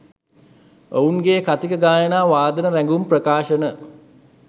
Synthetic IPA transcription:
ouŋɡeːkat̪ikəɡaːjənaːʋaːd̪ənəɾæŋɡumprəkaːʃənə

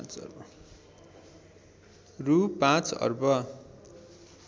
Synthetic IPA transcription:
t͡sʌ̰rbʌ | rupãt͡sʌ̰rbʌ

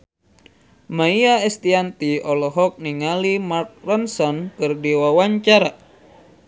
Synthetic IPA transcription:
maiaɛst̪iant̪iɔlɔɦɔk̚niŋalimark̚rənsɔnkɨrdiwawaɲt͡ʃaɾa

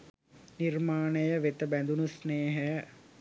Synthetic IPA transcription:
nirmaːnəjəʋet̪əbænd̪unusneːɦə

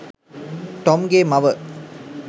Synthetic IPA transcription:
ʈɔmɡeːmɐʋə

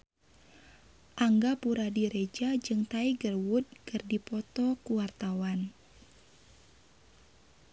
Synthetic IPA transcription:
ʔaŋɡapuɾadiɾed͡ʒad͡ʒɨŋt̪aiɡərwut̪̚kɨrdipɔt̪ɔkuwart̪awan

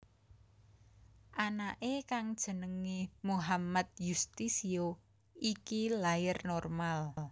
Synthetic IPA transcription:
ʔanaʔekaŋd̥ʒ̥ə̤nəŋemuɦamat̪̚just̪isio | ikilajɪrnɔrmal

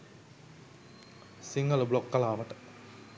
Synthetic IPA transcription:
siŋɡələblokːɐlaːʋəʈə̥

